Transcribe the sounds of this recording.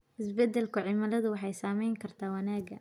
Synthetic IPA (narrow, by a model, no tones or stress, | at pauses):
ʔɪsbɛd̪ːɛlkʰʊʕɪmɐlɐðʊwɑħɑjsaːmɛjŋkʰɐrt̪ʰaːwɑnaːɡɐ̰